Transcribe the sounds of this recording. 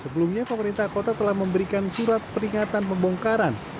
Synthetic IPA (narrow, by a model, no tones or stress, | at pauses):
səbəlumɲapəməɾint̪ahkot̪at̪əlahməmbəɾikansuɾat̪̚pəɾiŋat̪anpəmbɔŋkaɾan